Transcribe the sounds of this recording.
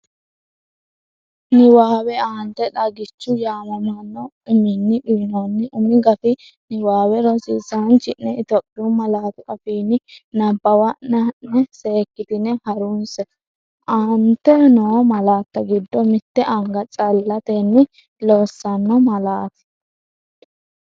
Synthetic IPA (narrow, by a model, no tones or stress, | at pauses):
nɪwaːwɛaːnt̪ːɛᶑɐɡɪt͡ʃːʊjaːmɐmɐnːɔ | ʊmɪnːɪbiːnɐnːɛʔʊmɪɡɐt̪ɪ | nɪwaːwɛɾɔsiːsɐnt͡ʃːɪnːɛɪt̪ɔpʼːɪʊmɐlaːt̪ʊkʼɐfiːnɪnɐbːɐwɐnːɐnːɛse̞ːkːɪd̪ɪnɛhɐɾʊnsɛ | ʔaːnt̪ːɛnoːmɐlaːt̪ːɐɡɪd̪ːɔmɪt̪ːɛʔɐŋɡɐt͡sʼɐlːɐt̪ɛnːɪ | loːsːɐnːɔmɐlaːt̪ɪ̥